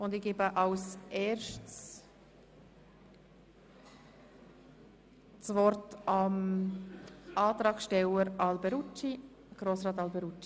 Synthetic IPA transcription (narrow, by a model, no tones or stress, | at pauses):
ʊndɪɡ̥eːbəʔɑlsʔɛːɾʃts | svɔrtɑm | ɑːt̪ɾɑːkʃtɛləɾɑlbɛɾut͡ʃi | ɡ̥ɾoːsɾɑːtɑlbɛɾut͡ʃːi